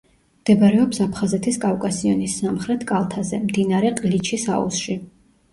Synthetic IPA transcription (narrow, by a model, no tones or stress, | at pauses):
md̪̥ɛbaɾɛɔpsapʰχazɛt̪ʰiskʼavkʼasiɔnisːamχɾɛt̪ʰkʼalˠt̪ʰazɛmd̪inaɾɛqʼlit͡ʃʰisa̰ṵsʃi